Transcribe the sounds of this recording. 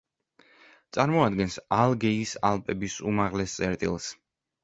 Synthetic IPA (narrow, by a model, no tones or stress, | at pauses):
t̪sʼaɾmɔad̪ɡɛnsalˠɡɛisalˠpʼɛbisumaʁlɛst̪sʼɛɾt̪ʼilˠs